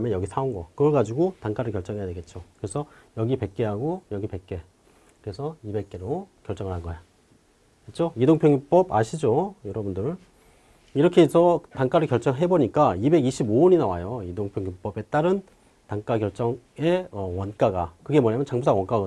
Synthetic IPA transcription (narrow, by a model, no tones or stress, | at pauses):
mjʌnjʌɡisʰaunɡʌkɯɾʌɭɡad͡ʑiɡotaŋk͈aɾɯɭkjʌɭt͡ɕ͈ʌŋɦe̞jadweɡe̞t̚t͡ɕ͈okɯɾesʰʌjʌɡipe̞k̚k͈e̞ɦaɡojʌɡipe̞k͈̚e̞ | kɯɾe̞sʰʌibe̞k̚k͈e̞ɾokjʌɭt͡ɕ͈ʌŋɯɭɦanɡʌja | kɯt͡ɕ͈ʰoidoŋpʰjoŋjup͈ʌba̰ɕʰid͡ʑojʌɾʌbundɯɾ | iɾʌkʰesʰʌtaŋk͈aɾɯɭkjʌɭt͡ɕ͈ʌŋɦe̞boɲik͈aibe̞ɡiɕʰibooɲinawajoidoŋpʰjoŋjup͈ʌbe̞t͈aɾɯn | taŋk͈aɡjʌɭt͡ɕ͈ʌŋe̞ʌwʌnk͈aɡakɯɡe̞mʌɲamjʌnt͡ɕaŋbusʰawʌnk͈aɡ